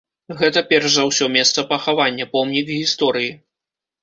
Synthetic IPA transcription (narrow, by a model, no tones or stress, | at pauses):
ɣɛt̪ɐpʲɛrʂzawsʲɔmʲɛst̪sɐpɐxavanʲːɐpɔmnʲikɣʲist̪ɔɾɨji